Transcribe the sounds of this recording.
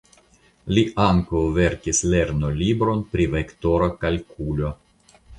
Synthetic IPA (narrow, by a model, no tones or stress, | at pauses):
liʔaŋkawve̞ɾkisle̞ɾnolibɾo̞npɾivekto̞ɾokalkulo̞